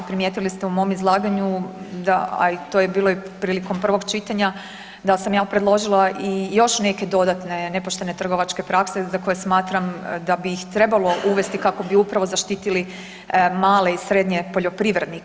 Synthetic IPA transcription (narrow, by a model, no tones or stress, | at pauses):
pɾimjeːt̪ilist̪eumo̞ːmizlˠaːɡaɲud̪aa̰it̪ojebiːlˠoipɾiːliko̞mpr̩ʋo̞ɡt͡ʃit̪aɲa | d̪asamjaːpɾed̪lˠo̞ʒilˠaʔijo̞ʃne̞ke̞d̪o̞d̪at̪ne̞ne̞po̞ʃt̪e̞ne̞t̪r̩ɡo̞ʋat͡ʃke̞pɾakse̞zako̞jesmaːt̪ɾamd̪abixt̪ɾe̞balˠo̞ʔuʋe̞st̪ikako̞biupɾaʋozaʃt̪iːt̪ili | maːle̞isɾe̞d̪ɲe̞po̞ʎo̞pɾiʋɾed̪ni